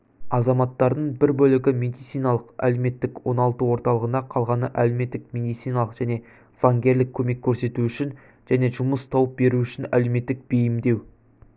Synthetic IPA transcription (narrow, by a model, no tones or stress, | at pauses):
ɑzɑmɑt̪ːɑɾd̪əɴbɪɾbɵlɪɡʲɪmʲe̞d̪ijt̪sijnɑlˠəqæ̰leme̞t̪ːɪkwo̞nɑlˠt̪əwo̞ɾt̪ɑlˠəʁənɑqʰɑlˠʁɑnəʔæleme̞t̪ːɪk̚mʲe̞d̪ijt̪sijnɑlˠəqʒ̥æne̞ | z̥ɑŋɡʲe̞ɾlɪkʲʰːɵme̞kʲʰːɵɾse̞t̪uʏʃɪn | ʒ̥æne̞ʒʊməst̪ʰɑwəp̚be̞ɾuʏʃɪnæ̰leme̞t̪ːɪk̚b̥ejɪmd̪e̞w